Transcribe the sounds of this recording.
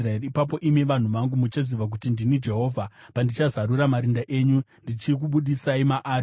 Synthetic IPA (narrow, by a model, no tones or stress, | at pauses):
raeriːpap̬o̞ʔime̞ʋan̤uʋaŋɡumut͡ʃaziʋak̬utindinid͡ʒe̞ɦo̞ːvʱapandit͡ʃazaɾuɾamaɾindaʔe̞ːɲu | ndit͡ʃik̬uɓuɗisaimaʔaːri